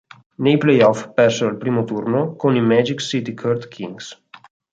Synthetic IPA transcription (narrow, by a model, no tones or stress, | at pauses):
nejplɛjɔfpɛrsealpɾiːmot̪urnokonimɛd͡ʒiksit̪ikʰørt̪kʰiŋɡs